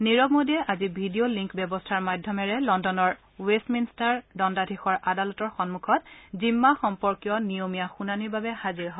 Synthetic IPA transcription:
niɹɔɡmodiɛʔazibʱidioliŋkbɔbɔstʰaɹmadʱjɔmɛɹɛlɔndɔnɔɹ | westminstaɹdɔndadʱixɔɹʔadalɔtɔɹxɔnmukʰɔt̚zimːaxɔmpɔɹkijɔnijomijaxunaniɹbabɛhaziɹɦɔ

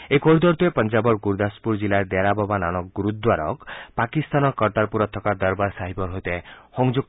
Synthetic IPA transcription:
ekɔɾud̪ɔɾt̪uepɔnd͡ʒabɔɾɡuɾd̪aspuɾd͡ʒilaɾd̪aɾababananɔɡuɾut̪̚d̪waɾɔ̰kpakist̪anɔkɔɾt̪aɾpuɾɔt̪ʰːɔkaɾd̪ɔɾbaɾsaɦibɔɾɦojt̪ehɔŋd͡ʒuk̚

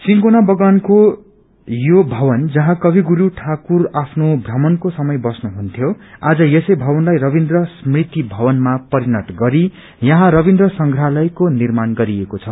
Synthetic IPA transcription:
siŋkonabʌɡwanko | jobʱʌbʌnd͡zʌɦãkʌbʱiɡuɾuʈʰakurapʰnobʱrʌmʌnkosʌmʌjbʌsnuɦunt̪ʰjoad͡zʌjesʌjbʱʌbʌnlajrʌbind̪rʌsmrit̪ibʱʌbʌnmapʌɾinʌʈɡʌɾi | jʌɦãɾʌbind̪rʌsʌŋɡʱralʌjkonirmanɡʌɾiekot͡sʰʌ

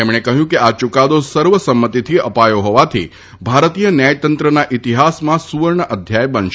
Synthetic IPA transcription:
emɽ̃ekəɦjũkeat͡ʃukad̪osəɾʋəsəmːət̪it̪ʰiəpajoɦɔʋat̪ʰḭ | bʱaɾt̪ijənjajt̪ənt̪ɾənaʔit̪iɦasmãsuʋəɾɳəʔəd̪ʱjajbənʃ

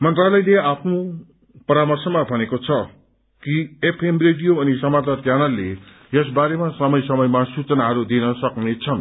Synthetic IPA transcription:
mʌnt̪ralʌjleapʰno | pʌɾamʌrsʌmabʱʌnekot͡sʰʌ | kiepʰemreɖijoʌnisʌmat̪ʌkjanʌlːe | jʌs̬baɾemasʌmʌjsʌmʌjmasut͡sʌnaɦʌɾud̪inʌsʌknet͡sʰʌn

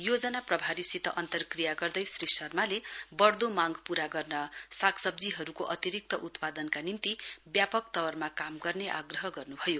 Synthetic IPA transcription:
jod͡zʌnaprʌbʱaɾisit̪ʌʔʌnt̪ʌrkrijaɡʌrd̪ʌjsrisʌrmalebʌɽd̪omaŋɡpuɾaɡʌrnʌsakʰsʌb̚d͡ziɦʌɾukoʔʌt̪iɾik̚t̪ʌʔut̪pad̪ʌnkanint̪ibjapʌk̚t̪ʌwʌrmakamɡʌrneʔa̰ɡrʌɦʌɡʌrnubʱʌjo

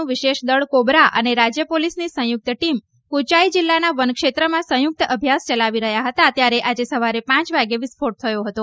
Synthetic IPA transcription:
ũʋɪʃeʃd̪əɭkobɾaʔə̰neɾad͡ʒjəpolisnisə̃jʊk̚t̪ʈim | kut͡ʃaid͡ʒilːanaʋənkʃet̪ɾəmãsə̃jʊk̚t̪əbʱjast͡ʃəlaʋiɾəɦjaɦət̪at̪jaɾeʔad͡ʒesəʋaɾepãt͡ʃʋaɡeʋɪspʰoʈ̚t̪ʰəjoɦət̪o

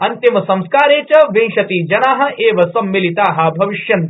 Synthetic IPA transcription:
ɐnt̪imɐsɐ̃m̃skaːɾeːt͡ʃɐʋẽŋʃɐt̪id͡ʒɐnaːɦɐ̆ʔeːʋɐsɐmːilit̪aːɦɐ̆bʱɐʋiʃjɐn

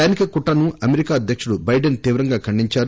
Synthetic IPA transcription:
aːnikɐkuʈːɐnuʔɐmeɾikaːɐd̪ʱjɐkʂuɽubɐjɖɐnt̪iːʋɐɾɐŋɡaːkʰɐɳɖiɲt͡ʃaːɾu

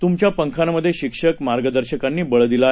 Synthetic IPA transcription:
t̪umt͡ɕjapəŋkʰanməd̪ʱːjeɕikʂəkmaɾɡəd̪əɾɕəkanːiːbəɭd̪ila

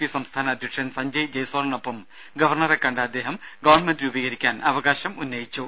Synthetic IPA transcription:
pisɐmst̪ʰaːnɐd̪ʱjɐkʂɐnsɐɲd͡ʑɐjd͡ʑɐjsoːrɐɳopːɐm | ɡɐʋɐrɳɐrekːɐɳɖɐɐd̪ːe̞ːɦɐmɡɐʋɐrɳmendiubiːɣɐɾikʲːaːnɐʋɐɣaːɕɐmunːɐjit͡ɕːu

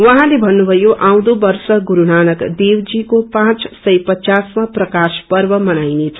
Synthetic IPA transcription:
wʌɦãlebʱʌnːubʱʌjoʔaw̃d̪obʌrsʌɡuɾunanʌkd̪ewd͡zikopãt͡ssʌjpʌt͡sasmaprʌkaspʌrbʌmʌnajnet͡sʰʌ̥

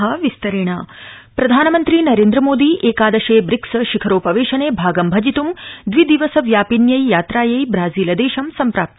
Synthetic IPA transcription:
ɦɐʋist̪ɐɾiɳ̃aː | pɾɐd̪ʱaːnɐmɐnt̪ɾiːnɐɾeːnd̪ɾɐmoːd̪iːʔeːkaːd̪ɐʃeːbɾiksɐʃikʰɐɾoːpɐʋeːʃɐneːbʱaːɡɐmbʱɐd͡ʒit̪umd̪ʋid̪iʋɐsɐʋjaːpinjɐjjaːt̪ɾaːjɐjbɾaːziːlɐd̪eːʃɐmsɐmpɾaːp̚t̪ɐ

